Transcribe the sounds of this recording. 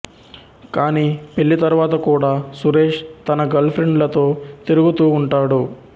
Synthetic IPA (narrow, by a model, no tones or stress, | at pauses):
kaːniːpe̞ɭːit̪ɐɾuʋaːt̪ɐkuːɽaːsuɾe̞ːʂt̪ɐnɐɡɐlpʰɾeɳɖlɐt̪o̞ːt̪iɾuɡut̪uːɳʈaːɽu